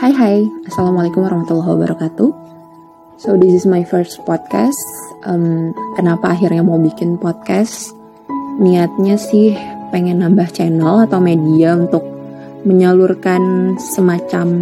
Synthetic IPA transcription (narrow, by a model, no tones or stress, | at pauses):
hajɦajasalamalekʊmwaɾahmat̪ulːaɦwa̰ba̰ɾʔakat̪u | sodɪsɪsmajfərst̪̚pɔd̪̚ka̰st̪ʔəmkənapaːɦɪrɲamaubikɪnpɔt̪̚kas | niŋat̪̚ɲasɪhpeŋɛnːambaht͡ʃenəlat̪awmediaunt̪ʊk̚ | məɲəlurkansəmat͡ʃam